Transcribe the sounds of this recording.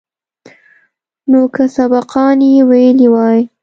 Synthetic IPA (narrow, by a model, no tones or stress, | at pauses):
nokəsabɑqɑnjewajəliwɑj